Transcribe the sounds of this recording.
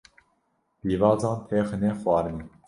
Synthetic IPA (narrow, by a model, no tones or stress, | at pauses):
b̥iːvɑːzɑ̃ːnt̪ʰeːxɨneːxwɑːɾɨni